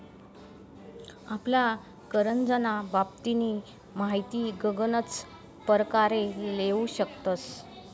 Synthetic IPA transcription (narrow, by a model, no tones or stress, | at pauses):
apla | kəɾənd͡zənabapt̪iniː | maɦit̪iːɡəɡənət͡s | pəɾəkaɾeleuɕəkt̪əs